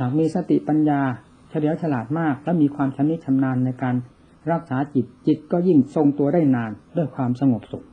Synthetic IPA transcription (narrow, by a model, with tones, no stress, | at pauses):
haː˨˩k̚miː˧sa˧t̪ḭ˨˩pa˧njaː˧ | t͡ɕʰa˧di˩˦əwt͡ɕʰa˧laː˨˩t̪̚maː˥˩k̚lɛː˦˥wmiː˧kʰwaː˧mt͡ɕʰa˦˥nːi˦˥t͡ɕʰa˧mnaː˧nːa˧jkaː˧n | ɾa˦˥k̚saː˩˦t͡ɕi˨˩t̪̚t͡ɕi˨˩t̪̚kɔː˥˩ji˥˩ŋso˧ŋt̪u˧ɐdaː˥˩jnaː˧ndu˥˩əjkʰwaː˧msa˧ŋo˨˩p̚so˨˩˦m